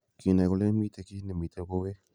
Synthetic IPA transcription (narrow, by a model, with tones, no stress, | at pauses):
ki˨na˨ɣo˧le˦mi˦t̪e˨˧ki˦ne˨mi˨t̪ʰe˦ko˦ɣe˦